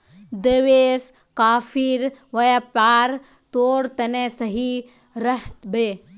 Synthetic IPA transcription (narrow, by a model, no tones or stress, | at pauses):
d̪eʋeːs | kaːfʰiɾʋɐjapaːɾ | t̪oːɾt̪ɐnesɐɦi | ɾɐɦt̪beː